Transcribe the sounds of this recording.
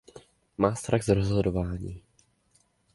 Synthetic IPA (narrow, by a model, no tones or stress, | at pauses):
maːst̪ɾaɣzɾozɦodovaːɲiː